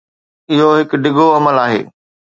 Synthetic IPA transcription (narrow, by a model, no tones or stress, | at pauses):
ɪɦoɦɪkɖɪɡoɐməlaːɦḛː